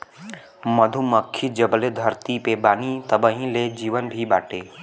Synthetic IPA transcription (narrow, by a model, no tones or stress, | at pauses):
məd̪ʱuməkʰːid͡ʒəbled̪ʱəɾt̪ipebaːnit̪əbəɦĩled͡ʒiːʋənbʱibaːʈeː